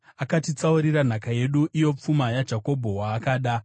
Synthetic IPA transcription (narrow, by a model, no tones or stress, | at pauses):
akatit͡sauɾiɾan̤akaje̞ɗuʔijo̞p͡fumajad͡ʒako̞bʱo̞waːkaːɗa